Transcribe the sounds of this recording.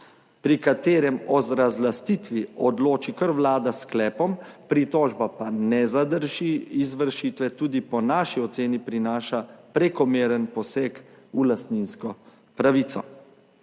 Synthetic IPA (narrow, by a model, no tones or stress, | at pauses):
pɾikat̪eːɾɛmɔzɾazlast̪it̪ʋiɔd̪loːt͡ʃikəɾʋlaːd̪asklɛːpɔmpɾit̪ɔːʒbapanɛzad̪əɾʒiizʋəɾʃit̪ʋɛt̪uːd̪ipɔnaːʃiɔt̪seːnipɾinaːʃapɾɛkɔmeːɾənpɔseːkulast̪ninskɔ | pɾaʋiːt̪sɔ̰